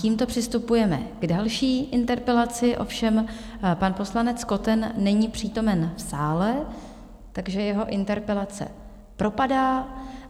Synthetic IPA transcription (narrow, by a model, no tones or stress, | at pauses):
ciːmt̪o̞pr̝̥ɪst̪upujɛmɛ̰ɡ̥dalʃiːʔɪnt̪ɛɾpɛlat͡sɪʔo̞̰fʃɛm | panpo̞slanɛt͡sko̞t̪ɛnːɛɲiːpr̝̥iːt̪o̞mɛnfsaːlɛ | t̪aɡʒɛjɛɦo̞ʔɪnt̪ɛɾpɛlat͡sɛ̰ | pɾo̞padaː